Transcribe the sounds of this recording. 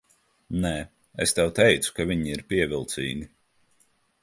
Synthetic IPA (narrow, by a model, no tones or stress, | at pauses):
nɛ | est̪ɛwt̪ɛjt̪su̥kavʲiɲiiɾpiɛvʲilˠt̪sḭːɡʲi